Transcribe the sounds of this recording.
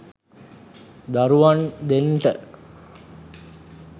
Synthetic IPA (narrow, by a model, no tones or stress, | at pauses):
d̪aɾuʋand̪enʈə